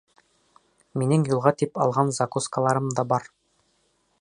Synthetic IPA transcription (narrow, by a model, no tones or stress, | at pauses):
minɘŋjulˠʁɑt̪ipɑ̰lˠʁɑnzakuskəlˠɑɾɤmd̪ɑbɑɾ